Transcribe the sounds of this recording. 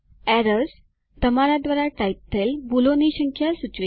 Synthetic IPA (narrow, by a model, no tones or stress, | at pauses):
æɾəs | t̪əmaɾad̪ʋaɾaʈaip̚t̪ʰelbuloniɕəŋkʰjasut͡ɕʋe